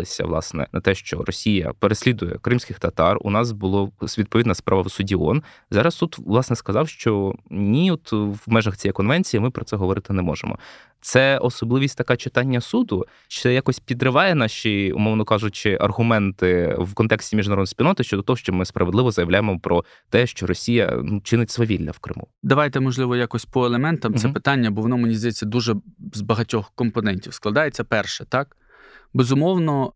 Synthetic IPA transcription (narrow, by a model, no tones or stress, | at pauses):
ɪsʲɐ̰ʋlˠɑ̰snɛ̰nɐt̪ɛʃt͡ʃɔ̰ɾɔsʲijɐ̰peɾesʲlʲid̪ʊjɛ̰kɾɪmsʲkɪxt̪ɐt̪ɑrʊ̰nɑsbʊlˠɔsʋʲid̪̚pɔʋʲid̪nɐspɾʔɑʋɐwsʊdʲiɔn | zɑɾɐst̪ut̪ʋlˠɑsnɛskɐzɑwʃt͡ʃɔnʲiɔt̪ʋmɛʒɐxt͡sʲijɛjkɔnʋɛnʲt͡sʲijimɪpɾɔt̪sɛɦɔʋɔɾɪt̪ɪnɛmɔʒḛmɔ̰ | t̪sɛɔsɔblˠɪʋʲisʲtʲt̪ɐkɑt͡ʃɪt̪ɑnʲːɐsud̪ʊ | ʃt͡ʃɛjakɔsʲpʲid̪ɾɪʋɑjɛnɑʃʲiʊ̰mɔwnɔkɑʒʊt͡ʃɪʔɐ̰rɦʊmɛnt̪ɪwkɔnt̪ɛksʲtʲimʲiʒnɐɾɔd̪spʲilʲnɔt̪ɪʃt͡ʃɔd̪ɔt̪ɔɦɔʃt͡ʃɔmɪspɾɐʋed̪lˠɪʋɔzɐjɐʋlʲajɪmɔpɾɔ | t̪ɛʃt͡ʃɔɾɔsʲijɐ̰nut͡ʃɪnɪtʲsʋɔʋʲilʲːɐ̰wkɾɪ̰mṵd̪ɐʋajt̪ɛmɔʒlˠɪʋɔjakɔsʲpɔelˠemɛnt̪ɐmsɛpɪt̪ɑnʲːɐbɔʋɔnɔmenʲizd̪ɐjet͡sʲːɐd̪uʒɛzbɐɦɐtʲɔxkɔmpɔnɛnʲtʲiwsklˠɐd̪ɑjet͡sʲːɐpɛrʃɛt̪ɑk | bezʊmɔwnɔ